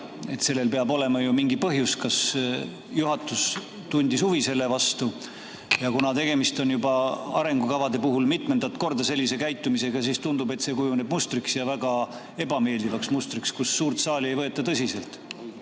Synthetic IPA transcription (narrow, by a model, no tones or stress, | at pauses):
e̞̰t̪se̞lːe̞lpeɑbo̞le̞mɑjumiŋɡipɤɦjuskɑs | juɦɑt̪ːˑus | t̪unʲd̪isuvise̞lːe̞vɑst̪u | jɑkunɑt̪e̞ɡ̥e̞mist̪o̞njubɑɑ̰ɾe̞ŋɡ̥ukɑvɑd̪e̞puɦulmit̪ˑmend̪̥ɑt̪ko̞rd̪̥ɑse̞lʲːise̞kæjt̪ːˑumise̞ɡ̥ɑsiːst̪und̪ube̞t̪se̞kujune̞bmust̪ɾiksjɑvæɡ̥ɑ | e̞bɑme̞ːld̪ivɑksmust̪ɾikskusːuːɾt̪sɑːlie̞jvɤ̞et̪ːˑɑt̪ɤsʲise̞lt̪